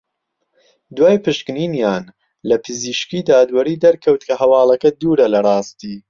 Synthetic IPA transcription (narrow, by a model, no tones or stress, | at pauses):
d̪waːjpɨʃkɨniːnjaːn | lɐpʰɨziːʃkiːd̪aːd̪wɐɾiːd̪ɐɾkʰɐwt̪kʰɐɦɐwɑːlɐkɐd̪uːɾɐlɐrˤɑːst̪iː